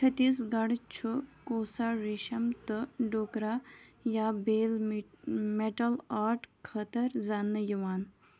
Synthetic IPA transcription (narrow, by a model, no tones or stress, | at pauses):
t͡ʃʰɐt̪iːs̬ɡɐɽt͡ʃʰukoːsaːɾiʃɐmt̪ɨɖoːkɾaːjaːbeːl | meʈɐlaːɾʈkʰɐt̪ɐɾzɐnːɨjiʋaːn